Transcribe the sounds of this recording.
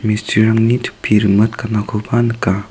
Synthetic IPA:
mistʰiɾaŋnit̪ʰu̥pʰːiɾɯmət̪kanakʰopanɯka

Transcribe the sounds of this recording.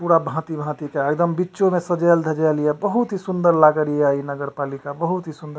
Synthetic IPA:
puɾabʱãt̪ibʱãt̪ikeek̚d̪əmbitːʃomesəd͡ʒəjld̪ʱəd͡ʒalijɛbəɦut̪ɦisund̪əɾlaɡəɾiainəɡəɾpalikabəɦut̪ɦisund̪əɾ

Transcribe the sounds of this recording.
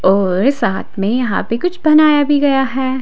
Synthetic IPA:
ɔːɾsaːt̪ʰmẽjɐɦã̰pekʊt͡ʃʰbɐnaːjabʱiɡɐjaɦɛː

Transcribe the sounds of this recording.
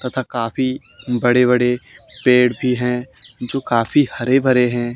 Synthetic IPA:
t̪ɐt̪ʰakaːfi | bɐɽeβɐɽepeːɽbʱiɦɛ̃ːd͡ʒoːkaːfihɐɾebʱɐɾeɦɛ̃ː

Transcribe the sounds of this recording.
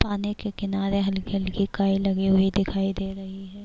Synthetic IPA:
paːnekekɪnaːɾeɦɐlkɦɐlkikaːilɐɡeɦuid̪ɪkʰaːid̪eːɾɐɦiɦɛː

